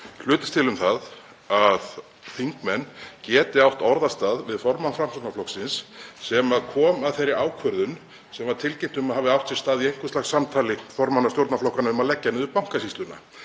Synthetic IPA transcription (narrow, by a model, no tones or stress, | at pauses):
l̥ʏːt̪ʏ̥st̪ʰɪlʏmθað | að | θiŋkmɛnːcɛːt̪ɪawht̪ɔɾðast̪aːðvɪðfɔɾmanfɾamsot̪naflɔksɪnssɛmaðkʰɔːmaðθejɾːɪʔaːwkʰvœɾðʏn | sɛmvaɾ̥t̪ʰɪlcejm̥t̪ʏmaðhaːvðɪawht̪sɛ̥st̪aːðiejŋ̥kʏ̥st̪axsːamt̪ʰaːlɪfɔɾmanːast̪jowɾt̪naflɔhkanaʏmaðlɛcːanɪðʏpawŋ̥kasist̪lʏnːa̰